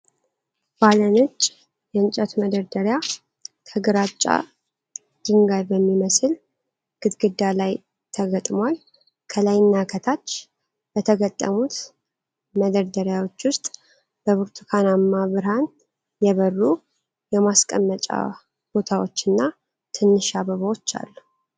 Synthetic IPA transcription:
balənɨt͡ʃʼː | jɛnt͡ʃʼət̪məd̪əɾd̪əɾja | t̪ʰəɡɾat͡ʃʼːa̰ | d̪̥iŋɡajbəmːiməsɨl | ɡ̥ɨt̪ɡɨd̪ːalaj | t̪ʰəɡət̪ʼmal | kʰəlajnːakʰət̪ʰat͡ʃː | b̥ət̪ʰəɡət̪ʼːə̰mut̪ | məd̪əɾd̪əɾjawo̞t͡ʃːwʊst̪ʼ | bəβuɾt̪ʰukʰanamːaβɨɾhan | jɛβərːu | jɛmaskʼə̰mːət͡ʃʼa̰ | b̥o̞t̪ʰawot͡ʃːɨnːa | t̪ʰɨnːɨʃaβəβəwot͡ʃːa̰lːu

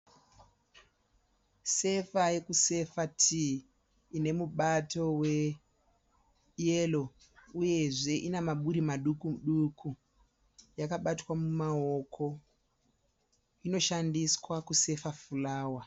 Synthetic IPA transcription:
se̞faje̞kuse̞fatʰi | ine̞muɓato̞we̞ | elo | uje̞ʐe̞ʔinamaɓuɾimaɗukuɗukʰu | jakaɓatwamumao̞kʰo̞ | ino̞ʃandiswakuse̞fafulaːwa

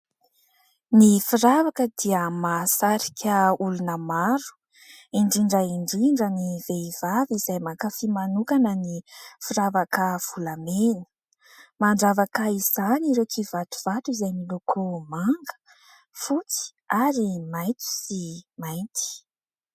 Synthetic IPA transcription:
nifiɾavakəd̪iəmasaɾikʲʰəulunəmaɾu̥ | iɳɖ͡ʐiɳɖ͡ʐəiɳɖ͡ʐiɳɖ͡ʐəniveiv̥avizajmakafimanukanənifiɾavakəv̥ulameni̥ | maɳɖ͡ʐavakəiz̥aniɾewkʰivat̪u̥v̥at̪uizajmilokʰumaŋɡə̥ | fut͡si̥ | aɾimajt̪u̥simajnt̪i̥

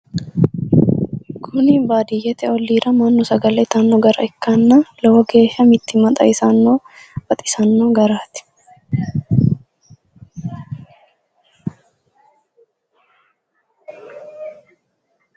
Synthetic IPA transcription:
kʰʊnɪbaːd̪ɪjɛt̪ɛɔlːiːɾɐmɐnːʊsɐɡɐlɛt̪ʰɐnːoɡɐɾɐɪkːaːnːaːlɐwɐɡe̞ːʃɐmɪt̪ːɪmɐt̪ʼɐ̰ɪsanːoː | fɐt̪ʼɪ̥sɐnːoːɡɐɾaːt̪ɪ̥

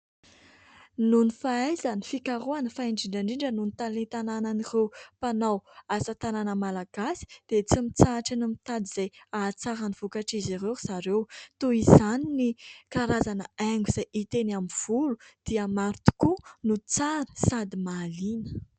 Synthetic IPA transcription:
nunifaajzanifikaɾuanəfaiɳɖ͡ʐiɳɖ͡ʐaɳɖ͡ʐiɳɖ͡ʐənunit̪alet̪anananirewpanawasət̪ananəmalaɡasi̥d̪̥et͡simit͡saʈ͡ʂinumit̪ad̪iz̥ajat͡saɾaniv̥ukaʈ͡ʂiziɾesaɾewt̪uizaninikaɾazanəaŋɡuiz̥ajit̪enamiv̥ulud̪̥iəmaɾt̪u̥kunut͡saɾəsad̪imaːlinə̥

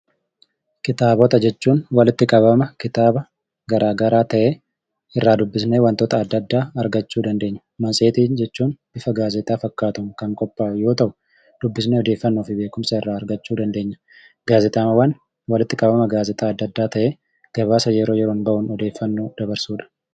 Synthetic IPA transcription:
kɪt̪aːbɔt̪ɐd͡ʒɛt͡ʃːuːnwɐlɪt̪ːɪkʼɐbɐmɐkɪt̪aːbɐ | ɡɐɾaːɡɐɾaːt̪ɐʔeː | ɪrːaːd̪ʊbːɪsneːwɐnt̪oːt̪ɐːd̪ːɐd̪ːaːɐɾɡɐt͡ʃːuːd̪ɐnd̪e̞ːɲːɐ̥mɐnsʼeːt̪iːnd͡ʒɛt͡ʃːuːnb̥ɪfɐɡaːzɛt̪ʼaːfɐkːaːt̪ʊmkɐŋkʼɔpːaːjo̞ːt̪ɐʔʊ | d̪̥ʊbːɪsneːɔd̪eːfːɐnːo̞ːfɪbeːkʊmsɐɪrːaːɾɡɐt͡ʃːuːd̪ɐnd̪e̞ːɲːɐ̥ | ɡaːzɛt̪ʼaːmɐwɐn | wɐlɪt̪ːɪkʼɐbɐmɐɡaːzɛt̪ʼaːɐd̪ːɐd̪ːaːt̪ɐʔeː | ɡ̥ɐβaːsɐjɛɾo̞ːjɛɾoːnbɐʔʊnɔd̪e̞ːfːɐnːoːd̪̥ɐbɐɾsuːᶑɐ̥

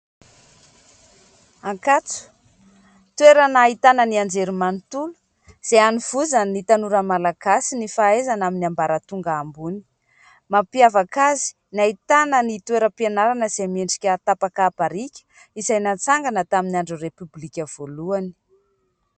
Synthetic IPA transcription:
aŋkat͡su̥ | t̪weɾanaːɦit̪anəniand͡zeɾimanit̪ulu̥ | z̥eaniv̥uzanit̪anuɾəmalaɡ̥asinifaezanaminiambaɾət̪uŋɡaːmbuni̥ | mapiavakazi̥ | naɦit̪anənit̪weɾəpianaɾanəz̥emeɳɖ͡ʐi̥kʲət̪apakaːpaɾikʲə̥ | izajnat͡saŋɡanət̪aminiaɳɖ͡ʐurepyblikʲəv̥oluani̥

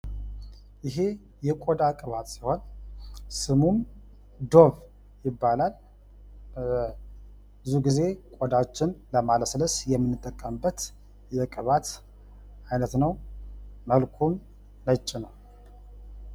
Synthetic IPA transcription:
jɪɦe̞ | jɛkʼod̪akʼɨβat̪siho̞n | sɨmum | d̪o̞β | jɪbːalal | bɨzuɡize̞kʼod̪at͡ʃːɪnləmaləsləsjɛmːɨnːɨt̪ʼːəkʼːəmbət̪ | jɛkʼɨβat̪ | ajnət̪nəw | məlkʰumː | ət͡ʃʼːinəw

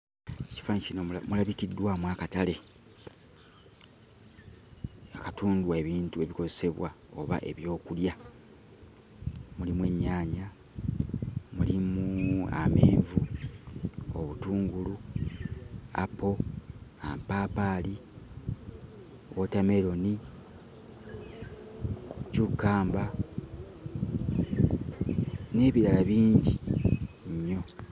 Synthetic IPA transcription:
eci̥faɲcinomulaβikidːwamwaːkatale̞ | akatuːndwaeβiːntue̞βiko̞ze̞se̞βwa | o̞̰βa̰ʔe̞̰βjo̞ːkulja | mulimwe̞ɲːaːɲa | mulimua̰meːɱvu | o̰βutuːŋɡulu | a̰po̞a̰mpaːpali | wotame̞ɾo̞ni | cukːaːmba | ne̞ːβiɾalaβiːɲɟi | ɲːo̞

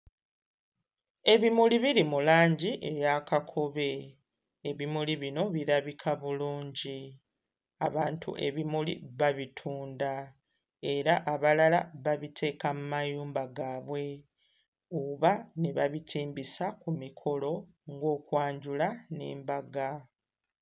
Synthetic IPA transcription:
e̞βimuliβiɾimulaːɲɟiʔe̞jakakʰo̞βe̞ | eβimuliβino̞βiɾaβikʰaβuluːɲɟi | aβaːntʰṵʔe̞βimulḭβaβitʰuːnda | e̞ɾaʔaβalalaβaβitʰe̞ːkamumajuːmbaɡaːβwe̞ | oβane̞βaβitʰiːmbisakumikʰo̞lo̞ | ŋɡo̞ːkwaːɲɟulaneːmbaɡa

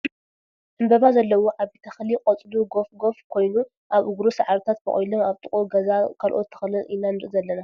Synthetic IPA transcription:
ʔɨmbɐβazɐlːɐwoʕaβbet̪ʰɐxlikʼɐt͡sʼluɡo̞fɡo̞fkʰo̞jnu | ʔaβɨɡɾosaʕaɾt̪ʰat̪̚bɐ̰χʼojlomaβt̪ʼɨχʼoɡɐzakʰalʔo̞t̪ʰːɨ̥xɐlɨʔɨnanɨɾʔɨzɐlːɐna

